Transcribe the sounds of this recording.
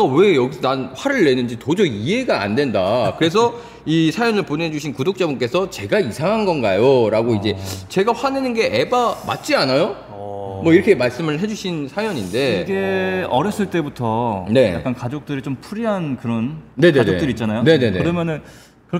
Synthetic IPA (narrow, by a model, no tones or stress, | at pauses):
ʌwe̞jʌɡisʰʌnanɸwaɾɯɭːe̞nɯnd͡ʑitod͡ʑʌiɦe̞ɡa̰ːndwe̞ndakɯɾe̞s̬ʰʌ | isʰajʌnɯɭpone̞d͡ʑuɕʰinkudok̚t͡ɕ͈abunk͈e̞sʰʌt͡ɕe̞ɡaisʰaŋɦanɡʌnɡajoɾaɡoid͡ʑe̞t͡ɕe̞ɡaɸwane̞nɯnɡe̞ʔebama̰t̚t͡ɕ͈ianajo | mʌiɾʌkʰemaɭs͈ɯmɯɭɦe̞d͡ʑuɕʰinsʰajʌɲinde̞ɡe̞ʌɾjʌs͈ɯɭt͈e̞butʰʌne̞ak͈ankad͡ʑok̚t͈ɯɾit͡ɕompʰuɾiɦankɯɾʌnne̞nenoet͈ɯɾiːt͡ɕ͈anajone̞ne̞neɾʌmjʌnɯn | kɯ